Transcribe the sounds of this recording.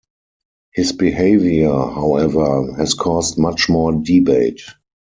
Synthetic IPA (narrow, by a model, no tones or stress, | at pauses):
hɪsbiheɪvjə˞haʊɛvə˞hɛskʰɔstmat͡ʃmɔːdibeɪt